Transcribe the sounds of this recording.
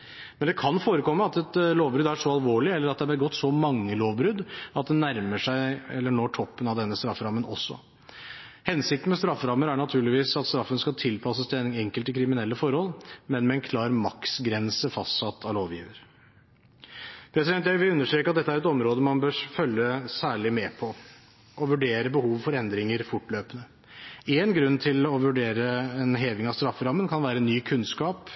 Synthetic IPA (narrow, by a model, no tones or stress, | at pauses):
mɛnd̪ɛkʰɑnfoːɾəkɔmːəɑt̪ɛt̪loːʋbɾʉd̪æʂɔɑlʋoːɭɪɛlːəɾɑt̪d̪ɛæbɛɡɔt̪ːsɔmɑŋːəloːʋbɾʉd̪ɑt̪̚d̪ɛnːæɾməʂæɪɛlːəɳoːʈʰɔpːənɑʋd̪ɛnːəst̪ɾɑfːɾɑmːənɔ̰sːɔ̰ | hɛnsɪkt̪n̩mɛst̪ɾɑfːəɾɑmːəɾæɳɑt̪ʰʉːɭɪʋiːsɑt̪st̪ɾɑfːənskɑlt̪ʰɪlpʰɑsːəst̪ʰɛnɪŋɛŋkəlt̪ɪkʰɾɪmɪnɛlːəfɔɾhɔlmɛnmɛɛnkʰlɑːɾmɑksɡɾɛnsəfɑst̪sɑt̪ʰːɑʋloːʋjḭːʋəɾ | pʰɾɛsɪd̪ɛnt̪jæʋɪlʉnːəʂʈ̪ɾeːkəɑt̪̚d̪ɛt̪ːəæɾɛt̪ɔmɾoːd̪əmɑnbøːɾfœlːəsæːɭɪmɛpʰɔ | ʔɔʋʉɖeːɾəbəhuːʋfɔɾɛnd̪ɾɪŋəɾfʊʈløːpənə | eːnɡɾʉnːt̪ʰɪlɔʋʉɖeːɾəɛnɦeːʋɪŋɑʋst̪ɾɑfːəɾɑmːənkʰɑnʋæːɾəɛnːyːkʰʉnskɑːp